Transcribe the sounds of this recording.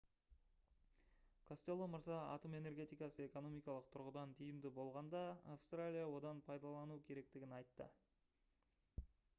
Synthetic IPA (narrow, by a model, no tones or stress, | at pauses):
kʰost̪elˠomʊɾzɑa̰t̪ome̞ne̞rɾɡʲe̞t̪ijkɑsəe̞ko̞no̞mijkɑlˠəq̚t̪ʰʊɾʁəd̪ɑnt̪ʰijɪmd̪ɪbo̞lˠʁɑnd̪ɑːfst̪ralʲijawo̞d̪ɑnpʰɑjd̪ɑlˠɑnukʲʰe̞ɾe̞k̚t̪ɪɡʲɪnɑjt̪ːə̰